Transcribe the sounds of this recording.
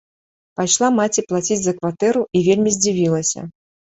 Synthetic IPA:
pajʂlˠamat͡sʲiplˠat͡sʲid͡zʲzɐkvat̪ɛɾuʔivʲelʲmʲizʲd͡zʲivʲilˠɐsʲɐ̰

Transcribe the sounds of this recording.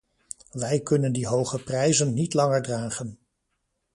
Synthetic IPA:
ʋɛjkɵnəndiɦowχəprɛjzənːitlɑŋəɹdraːχən

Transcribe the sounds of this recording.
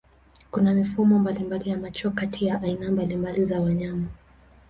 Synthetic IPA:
kunamifumɔmbalimbalijamat͡ʃɔkatʰijaʔainambalimbalizawaɲama

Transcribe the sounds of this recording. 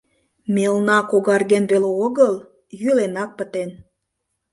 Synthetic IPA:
melnɑkoɣɑrɣenβeleoɣəl | jylenɑk̚pət̪en

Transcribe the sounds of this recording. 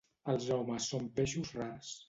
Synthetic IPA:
əlˠzʒawməsːompeʃuzraɾs

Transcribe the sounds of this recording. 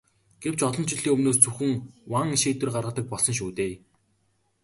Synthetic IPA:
ɡ̥ew̥t͡ɕɔɮɞ̆nt͡ɕɪɮiːŋɵmnoːst͡suxɘ̆ŋwaŋʃeːt̪wɘ̆rɢarʁə̆t̪ə̆k̚pɔɮsɞ̆nʃ̬uːt̪eː

